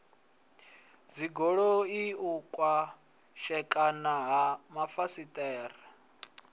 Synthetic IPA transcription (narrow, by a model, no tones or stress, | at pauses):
d͡ziɡɔɺɔiukʼwa | ʃɛkʼanaɦamafasitʼɛːra